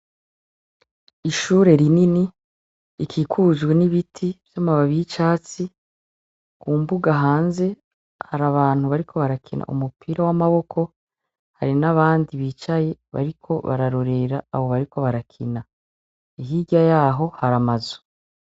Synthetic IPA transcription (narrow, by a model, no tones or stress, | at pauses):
iʃuːɾe̞ɾininiː | kʰikʰuzɡwe̞niβitʰivjamaβaβit͡ʃaːt͡si | kuːmbuɡaɦaːnze̞ | haɾaβaːn̥huβaɾikʰo̞βaɾakʰina̰ʔṵmupʰiːɾawamaβo̞kʰo̞ | haɾinaβaːndiβiːt͡ʃaje̞βa̰ɾikʰo̞βa̰ɾaɾo̞ɾe̞ɾaaβo̞βaɾikʰo̞βaɾakʰḭna | iɦiɟajaːɦo̞haɾamazu̥